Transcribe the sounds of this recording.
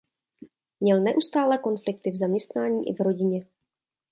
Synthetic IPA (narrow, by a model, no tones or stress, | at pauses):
mɲɛlnɛʔust̪aːlɛko̞nflɪk̚t̪ɪvzamɲɛst̪naːɲiːʔɪ̰vɾo̞ɟɪɲɛ